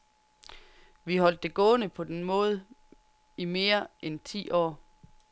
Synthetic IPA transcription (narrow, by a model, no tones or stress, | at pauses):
ʋiɦɒ̽l̰d̥ːe̝ɡ̥ɔ̽ːnəpʰɒ̽d̥enmɔ̽ːð̞̩ˠ | ime̝ːɐʔent͡sʰḭːʔɒ̰ː